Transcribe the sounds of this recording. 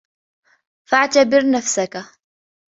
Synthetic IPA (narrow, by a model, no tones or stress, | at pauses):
faʕt̪abɪɾnafsaka